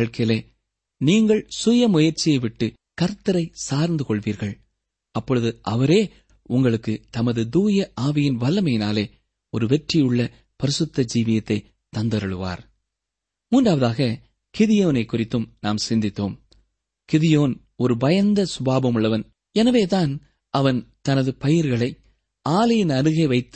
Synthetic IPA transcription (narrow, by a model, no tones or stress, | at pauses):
ɐɭkɐleː | niːŋɡɐɭsʊjɐmʊjɐɾt͡ʃːɪjɐɪʋɪʈːɯ | kɐɾt̪ːɐɾɐɪsaːɾnd̪ɯkɔɭʋiːɾɣɐɭ | ɐpːɔɻɯðɯʔɐʋɐɾeː | ʊŋɡɐɭɯkːɯt̪ɐmɐðɯd̪uːjɐʔaːʋɪjɪnʋɐlːɐmɐjɪnaːleː | ɔɾɯʋɛʈrɪjɯɭːɐ | pɐɾɪsɯt̪ːɐd͡ʒiːʋɪjɐt̪ːɐɪ | t̪ːɐnd̪ɐɾɐɭɯʋa̰ːɾ | muːnɖaːʋɐðaːɣɐ | kɪðɪjoːnɐɪkːʊrɪt̪ːɯmnaːmsɪnd̪ɪt̪ːoːm | kɪðɪjoːn | ɔɾɯbɐjɐnd̪ɐsʊbaːbɐmɯɭːɐʋɐn | ɛnɐʋeːt̪aːn | ʔɐʋɐnt̪ɐnɐðɯpɐjɪɾɣɐɭɐɪ | aːlɐjɪnɐɾɯɣeːʋɐɪt̪ːɯ̥